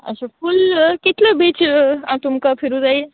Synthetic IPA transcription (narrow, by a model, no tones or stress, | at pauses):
ə̰supʰulkit̪ləbit͡ʃãt̪umkapʰiɾud͡zaj